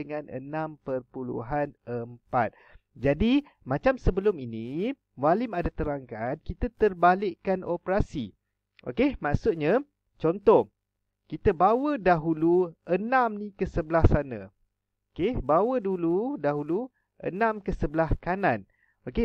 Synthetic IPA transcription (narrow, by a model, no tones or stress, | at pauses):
əŋanə̰nãmpərpulṵɦanəmpa̰t̪̚ | d͡ʒadi | mat͡ʃamsəbəlʊmini | walɪmadat̪əɾaŋkankit̪at̪ərbalɪʔkːanʔopəɾasḭ | ʔo̰kemaʔsʊt̪̚ɲa | t͡ʃɔnt̪ɔh | kit̪əbawədaɦuluənãmnikəsəblahsana̰ | okebawəduludaɦulu | ʔə̰nãmkəsəbəlahkanan | oke